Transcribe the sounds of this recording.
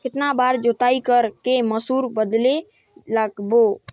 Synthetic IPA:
keʈ̪nabaɾd͡ʒot̪aikəɾkeməsuɾbəd̪le | ləɡbo

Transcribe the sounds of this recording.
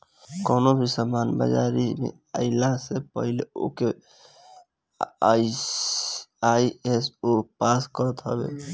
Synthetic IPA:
kɔːnobʱisamaːnbə̰d͡ʒaːɾimḛ̃ | ə̰ɪlasepə̰ɦɪleo̰ke | aiesopaːskəɾət̪ɦəbḛ

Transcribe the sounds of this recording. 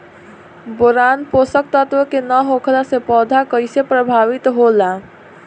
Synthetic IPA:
boɾaːnposək̚t̪ət̪wəkenəɦokʰlasepɔːd̪ʱakəɪsepɾəbʱaːʋɪt̪ɦola

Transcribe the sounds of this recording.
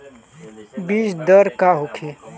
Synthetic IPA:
biːsd̪əɾkaɦʊkʰi

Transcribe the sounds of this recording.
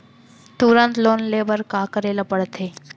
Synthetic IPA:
t̪uɾənt̪loːnleːbəɾkakəɾeːlapəɽt̪ʰeː

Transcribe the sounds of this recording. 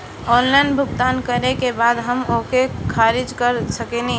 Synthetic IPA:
ɔːnlaɪnbʱʊɡt̪aːnkəɾekebaːd̪ɦəmokekʰaːɾɪd͡ʒkəɾsəkenĩ

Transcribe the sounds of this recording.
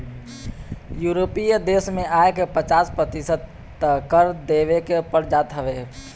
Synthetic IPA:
juːɾopijəd̪eːsmẽaekepət͡ʃaːspɾət̪isəd̪ | kəɾd̪eːʋekepəɾd͡ʒaːt̪ɦəʋe

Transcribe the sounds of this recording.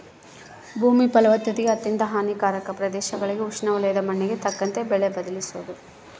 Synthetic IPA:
bʱuːmipɐlɐʋɐt̪ːɐt̪iɡɐt̪ːind̪ɐɦaːnikaːɾɐkɐpɾɐd̪ɛːʃɐɡɐɭiɡeukʂnɐʋulɐjɐd̪ɐmɐɳːeɡe̞t̪ɐkːɐnt̪e̞bɛɭebɐd̪ɐlisuʋɐd̪u

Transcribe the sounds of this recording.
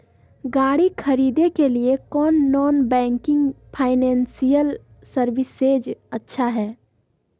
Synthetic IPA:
ɡaːɽikʰɐɾiːd̪ekeliekɔːnːɔːnbɛ̃ːŋkɪ̃ŋɡpʰaːɪnɛ̃ːnsijəl | səɾʋɪseːd͡ʒɐtːʃʰaɦɛː

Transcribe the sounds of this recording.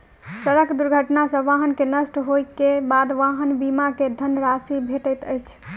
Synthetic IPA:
səɾəkd̪uɾɡʱəʈnasəʋãɦənkenəsʈɦojkebad̪ʋaɦənbimaked̪ʱənɾasibʱeʈəjt̪əjt͡ʃʰ

